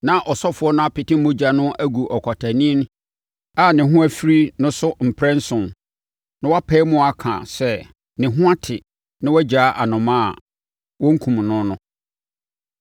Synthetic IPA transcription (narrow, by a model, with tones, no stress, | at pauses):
nã˦ʔɔ˨sɔ˦fʊ˨˦ɔ˦nʊ̃˦a˦pɪ˨tɪ˦mʊ̃˦d͡ʑa˨nʊ̃˦ʔæ˦ɡu˨ʔɔ˨kʰɔ˨tʰæ˨nĩ˦n˦ | a˨nɪ̃˨ɦʊ̃˦æ˦fɾi˦nʊ̃˦sʊ˦m̩˨pʰɾɛ̃˦n̩˦sʊ̃˨n | nʊ̃˦wa˦pʰɛ˦mʊ̃˦a˨kʰã̰˨sɛ˦ | nɪ̃˨ɦʊ̃˦a˦tʰɪ˨ | nɪ̃˦wɔ˦d͡ʑa˨˦ʔa˨nʊ̃˨mã̰˦˨ | wɔ̃˦ŋ̩˦kʰũ˨m˨nʊ̃˦nʊ̃˦